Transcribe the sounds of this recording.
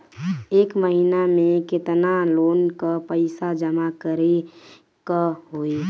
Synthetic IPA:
eːkməɦinamẽkɪt̪naloːnkapəɪsad͡ʒəmakəɾe | kaɦoi

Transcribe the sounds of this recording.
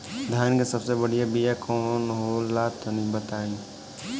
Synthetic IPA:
d̪ʱjaːnkesəbsebəɽijabijakɔːnɦolaːt̪onĩbət̪aːĩ

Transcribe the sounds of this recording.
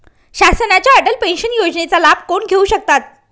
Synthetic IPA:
ɕasənat͡ɕjaəɖəlpẽnɕənjod͡ʑnet͡salabkoɳɡʱeuɕək̚t̪at̪̚

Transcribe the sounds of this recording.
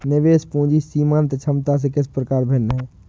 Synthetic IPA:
nɪʋeːspũːd͡ʒisiːmãːnt̪et͡ʃʰɐmt̪as̬ekɪspɾəkaːɾbʱɪnːɦɛː

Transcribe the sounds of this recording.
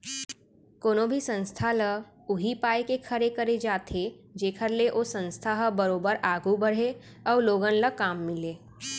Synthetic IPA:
koːnõbʱisə̃nst̪ʰalə | ʊɦipaːjkekʰɐɾekɐɾed͡ʒaːt̪ʰed͡ʒeːkʰəɾleʔoːsə̃nst̪ʰaɦəbɐɾoːbəɾaːɡubəɽ̤e | ɔːloːɡənləkaːmːɪleː

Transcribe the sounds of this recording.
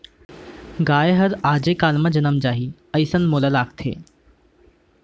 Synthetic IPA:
ɡaːeɦɐɾaːd͡ʑekaːlmɐd͡ʑɐnəmd͡ʒaːɦiː | ɐjsənmoːlalaːk̚t̪ʰḛː

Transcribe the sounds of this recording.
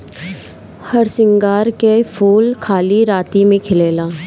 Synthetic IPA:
hɐɾsɪ̃ŋɡaːɾkefʰuːlkʰaːliɾaːt̪imẽkʰɪleːlaː

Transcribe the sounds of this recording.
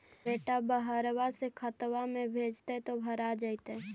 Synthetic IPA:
eːʈabəɦəɾwasekʰət̪wamẽbʱeːd͡ʒt̪et̪obʱəɾad͡ʒəit̪e

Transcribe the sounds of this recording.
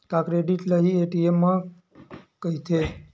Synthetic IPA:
t̪akɾeɖiʈləɦieʈiemːã | kəɦit̪ʰe

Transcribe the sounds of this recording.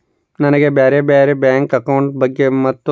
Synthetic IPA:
nɐnɐɡebeːɾebeːɾebɛːŋkɐkɐʊɳʈbɐɡːemɐt̪ː

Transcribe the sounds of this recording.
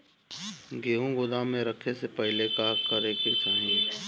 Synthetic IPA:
ɡeːũɡʊd̪amẽɾəkʰesepɛɦɪlekaːkəɾekesəɦĩ

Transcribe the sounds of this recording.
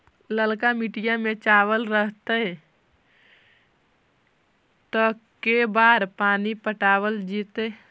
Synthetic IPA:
ləlkamiʈijamẽt͡ʃaːwəlɾəɦt̪eɛ | t̪okebaːɾpaːnipəʈaːwəld͡ʒiːt̪e

